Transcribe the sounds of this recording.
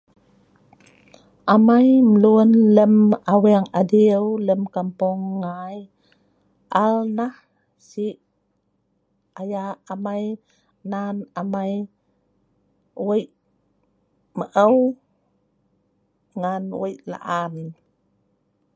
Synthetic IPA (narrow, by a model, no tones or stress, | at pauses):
ʔamajməluənləmawɛŋadiəwləmkampuŋːaj | ʔalnah | siʔ | ajaːmaj | nanamaj | wəjʔ | məʔəw | ŋanwəjʔla̰ʔamin